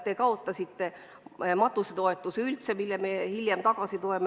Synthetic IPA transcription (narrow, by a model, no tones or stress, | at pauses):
t̪ekɑot̪ːˑɑsit̪ːe̞ | mɑt̪ˑːuset̪o̞e̞t̪ːˑuseylt̪semilːemehiljemt̪ɑɡ̥ɑsit̪oem